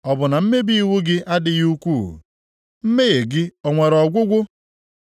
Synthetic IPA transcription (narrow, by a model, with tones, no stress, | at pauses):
ɔ˨bʊ˨na˨m̩˦me˦bi˦i˦˨wu˦ɡɪ˦ʔa˦dɪ˦ɣu˦kʷuː˦˨ | m̩˦me˦ɣe˨ɡɪ˦ɔ˨ŋʷe˨ɾɔ˨ɡʷʊ˦ɡʷʊ˦